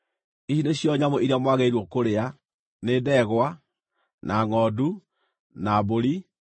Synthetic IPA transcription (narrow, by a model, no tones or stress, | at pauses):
isineɕjɔɲamoiɾiamwaɣeiɾwɔkoɾea | nedɛɣwa | nʔaŋɔdu | naboɾi